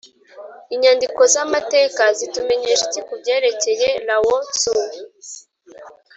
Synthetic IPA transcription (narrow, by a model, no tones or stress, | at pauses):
iɲandiko̞zamate̞ːkazitume̞ɲe̞ʃecikubɟe̞ːɾe̞ce̞jeɾawosuu